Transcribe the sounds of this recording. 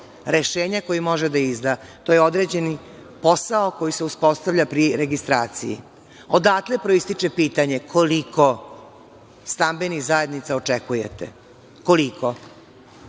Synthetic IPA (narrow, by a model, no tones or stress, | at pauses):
ɾeʃeːɲako̞jimo̞ʒed̪aizd̪at̪oje̞o̞d̪ɾe̞ːd͡ʑe̞ni | po̞saoko̞jise̞uspo̞st̪avʎʲapɾiɾeɡist̪ɾaːt̪sḭjḭ | od̪aklepɾoist̪it͡ʂepiːt̪aɲe̞kʰoliko | st̪ambeniɣzaje̞d̪nit̪saot͡ʂekujḛt̪ḛ | ko̞likʰo